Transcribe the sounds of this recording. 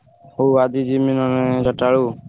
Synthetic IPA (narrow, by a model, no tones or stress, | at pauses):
ɦuːaːd̪iːd͡ʒiːmɪnoːnɛ̃ːd͡ʒəʈaːɭuː